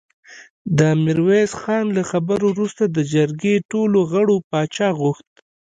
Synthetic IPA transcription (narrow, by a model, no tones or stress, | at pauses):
d̪əmɪɾwezxɑnlaxabəɾowɾust̪ad̪əd͡ʒaɾɡeʈoloɣəɽopɑt͡ʃɑɣuxt̪̚